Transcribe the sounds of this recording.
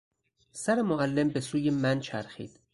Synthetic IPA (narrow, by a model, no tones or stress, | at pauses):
sæɾemoɣælːembe̞suːjemænt͡ʃʰæɾxḭːd̪̥